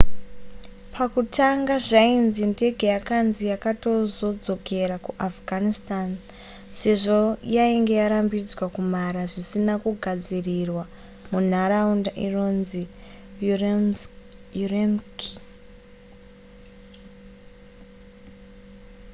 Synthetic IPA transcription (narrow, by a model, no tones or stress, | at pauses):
pʰakutʰaŋɡaʐainzinde̞ɡʱejakanzijakato̞zo̞d͡zo̞ke̞ɾakuʔafɡʱanistan | se̞ʐo̞jaiŋɡe̞jaɾambid͡zwakum̤aɾaʐisinakuɡʱad͡zirirwa | mun̤aɾaundaʔinonzi | juremki̥